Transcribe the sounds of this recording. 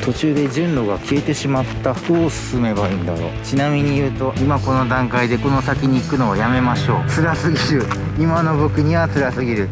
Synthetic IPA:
t̪ʰo̞t͡ɕɨːd̪e̞ʑɨ̃nɾo̞ɡakʲie̞t̪e̞ɕimat̪ːaɸkoːsɨ̥sɨme̞baiːnd̪aɾo̞ːt͡ɕinamʲiɲ̟ijɯ̟ːt̪o̞ʔimako̞no̞d̪ãŋkaid̪e̞ko̞no̞sakʲiɲ̟iːkɯ̟no̞ajame̞maɕo̞ːt͡sɨɾasɨɡʲiɾɯ̟ | imano̞bo̞kɯ̟ɲ̟iβat͡sɨɾasɨɡʲiɾɯ̟

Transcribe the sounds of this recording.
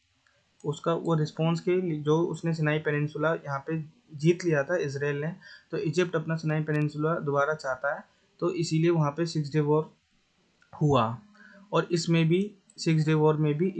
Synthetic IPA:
ʊskaoɾɪspɔ̃ːnsked͡ʒoːʊ̰snes̬ɪnaːipɛnɪ̃nsʊlajɐɦãpe | d͡ʒiːt̪lijat̪ʰaɛɪs̬ɾeːlnet̪oːɪd͡ʒɪp̚ʈɐpnasɪnaːipenɪ̃nsʊlad̪obaːɾat͡ʃaɦt̪aɦɛː | t̪oʔɪsilieʋɐɦãpesɪks̬ɖeʋoːɾ | hʊa | ɔːɾɪsmẽbʱi | sɪks̬ɖeʋoːɾmẽbʱi

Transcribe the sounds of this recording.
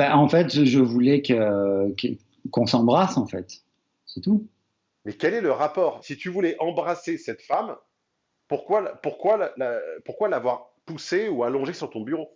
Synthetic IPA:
baʔɑ̃fɛt̪ʒəvulɛkəkə | kɔ̃sɑ̃bʁasɑ̃fɛt̪ | sɛt̪u | mɛkʲɛlɛləʁapɔːʁsit̪yvulɛʔɑ̃bʁasesɛt̪fam | puʁkwalpuʁkwallapuʁkwalavwaʁ | puseualɔ̃ʒesyʁt̪ɔ̃byʁo

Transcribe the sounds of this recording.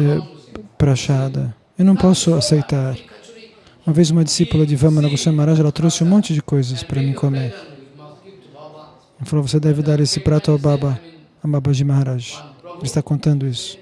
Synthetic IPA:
ɛbɾaʃad̪ɐ | ewnɐ̃w̃pɔsʊasejt̪aɾ | ũmɐvezũmɐd͡ʒisipulɐd͡ʒɪvɐ̃mɐnɐɡosõɐmaɾaʒʊɛlɐt̪ɾosɪũmõnt͡ʃɪd͡ʒɪkojzɐspɾɐmĩkomeɾ | falowvosed̪ɛvɪd̪aɾesɪpɾat̪ʊababɐː | babɐd͡ʒɪmaɾaʒɪ̥elɪst̪akõnt̪ɐ̃nd̪ʊisʊ̥

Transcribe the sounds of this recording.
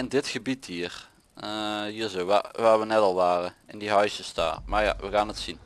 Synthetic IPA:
ɪndɪtχəbitɦiːər | əɦiːɹzowʋa̰ʋaːɹʋənɛtɑlˠʋaːrəɪndiɦœɥsəsda̰ːrmaːɹja̰ʋəɣaːnətsin

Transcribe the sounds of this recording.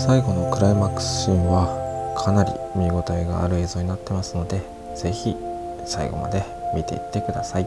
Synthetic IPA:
saiɡo̞no̞kɯ̟ɾaimakɯ̥sɯ̃ɰ̃βakʰanaɾʲḭmʲiɡo̞t̪aeɡa̰ːɾɯ̟e̞ːzo̞ːɲ̟inat̪ːe̞masɨno̞d̪e̞ | z̥e̞çi | saḭɡo̞̰ma̰d̪e̞ | mʲit̪e̞̰it̪ːe̞kɯ̟d̪asai

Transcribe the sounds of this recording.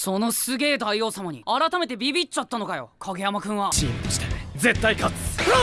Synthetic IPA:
so̞no̞sɨɡe̞ːd̪aio̞ːsamaɲ̟ḭaɾat̪ame̞t̪̬e̞bʲibʲit͡ɕat̪ːano̞kajo̞̰kʰaɡe̞jamakɯ̟̃ɰ̃βaɕiet̪oɕi̥t̪ed͡ze̞t̪ːaikat͡sɨ̥

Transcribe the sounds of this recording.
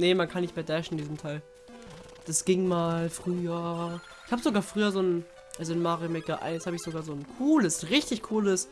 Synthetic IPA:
nəmankʰanːɪçtmeːɐdɛʃn̩ɪndiːzəm̩tʰaɪl | d̥asɡ̥ɪŋmaːlfʁ̥yːɐ | ʔɪçhaːbəzoɡaːɐfʁ̥yːɐzoːn | ʔalzoɪnmaːʁimɛkɐʔa̰ɪnshaːbəɪçz̥oɡaːɐzoːnkʰuːləsʁɪçtɪçkʰuːləs

